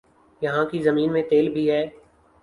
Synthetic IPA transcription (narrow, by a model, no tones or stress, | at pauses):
jɐɦãkizɐmiːnmẽt̪eːlbʱiɦɛː